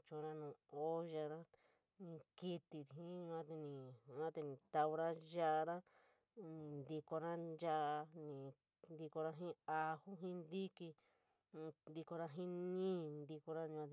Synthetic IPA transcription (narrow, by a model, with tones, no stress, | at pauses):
t͡ʃũ˧ɾã˦nũː˨o˦ʒa˧ɾa˦ | nĩ˧ki˧t̪i˧ɾi˨ɦĩ˦ɲũ˧ã˧t̪e˧nĩ˨˧ã˦t̪e˧nĩ˨t̪a˧u˧ɾa˦ʒa˦ʔɾã˦ | nĩ˧nd̪i˧ko˧ɾã˦d͡ʒa˦ʔnĩ˨ | nd̪i˧ko˧ɾa˧ɦĩ˦a˧hu˦ɦĩ˦nd̪i˦ki˧ | nd̪i˧ko˧ɾa˧ɦĩ˦nĩː˦nd̪i˧ko˧ɾa˦ɲ̃˧ã˧